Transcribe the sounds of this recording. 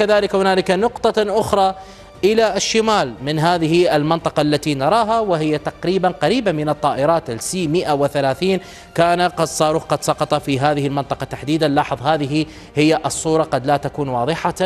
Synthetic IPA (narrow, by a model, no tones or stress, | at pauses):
kaðaːlɪkhʊnaːlɪkanʊqt̪ˤɑʔʊxɾˤɑ | ʔɪlaɪʃːɪmaːlmɪnɦaːðɪhiʔɪlmɪnt̪ˤɑqɑʔlːat̪inɑɾˤɑːɦawɪɦɪjːat̪aqɾiːbanqaɾiːbamɪnɨt̪ˤːɑːʔɪɾˤɑːt̪ʔɪlsiːmɪʔawɪθalaːθiːn | kaːnaqɑd̪sˤɑːɾuːqɑd̪sˤɑqɑt̪ˤɑfiɦaːðɪhɪlmɪnt̪ˤɑqɑt̪aħd̪iːd̪alːɑħðˤhaːðɪɦi | hɪjːaʔɨsˤːuːɾˤɑqɑd̪laːt̪akuːnwɑːðˤɨħa